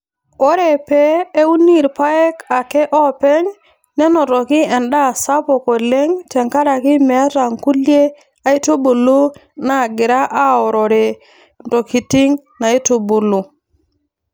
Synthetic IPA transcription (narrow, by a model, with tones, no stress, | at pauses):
o˦ɾe˨peː˦u˦ni˦˨ɾpa˦ɛ˦ka˨kɛ˦ʔɔ˦pɛ˦ɲ | nɛ˦nɔ˨tɔ˨kɪ˦ɛ˨nɗa˦˨sa˦pɔ˨ko˨le˦ŋtɛ˨ŋka˦ɾa˨kɪ˦mɛ˨˦ɾa˨ŋku˦lje˦ | a˦i˦to˦bu˨lu˦ | na˨ɡɪ˨ɾa˦ʔa˦ɔ˨ɾɔ˨ɾe˨ | nto˨ki˨ti˦ŋ | na˨i˦to˨bu˨lu˨